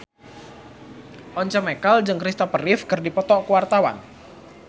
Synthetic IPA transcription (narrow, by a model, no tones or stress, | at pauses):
ʔɔɲt͡ʃəmekald͡ʒɨŋkɾist̪ɔpərɪfkɨrdipɔt̪ɔʔkuwart̪awa̰n